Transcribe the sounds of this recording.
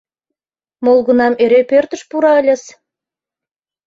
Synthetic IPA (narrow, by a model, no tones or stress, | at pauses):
molˠɣə̆nɑmeɾepørt̪ə̆ʃpuɾɑə̆lʲəs